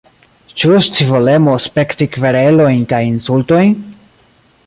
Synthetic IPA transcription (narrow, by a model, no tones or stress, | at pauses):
t͡ʃust͡sivole̞mospe̞ktikve̞ɾelo̞jnkajinsulto̞jn